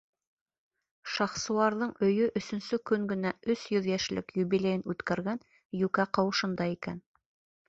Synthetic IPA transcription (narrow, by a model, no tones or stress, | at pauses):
ʃɑχsŭwˠɑɾðɤɴɵ̆jɵʔɵ̆sɵ̆nsɵkɵŋɡɘ̆næɵsjɵðjæʃlɘ̰kjuβilʲejɘnʉt̪kæɾɡæn | jʉkæqɑwɤ̆ʃɤ̆nd̪ɑikæn